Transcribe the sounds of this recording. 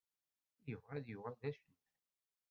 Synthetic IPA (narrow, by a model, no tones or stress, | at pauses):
jʊvʁæðjʊʁæðæʃən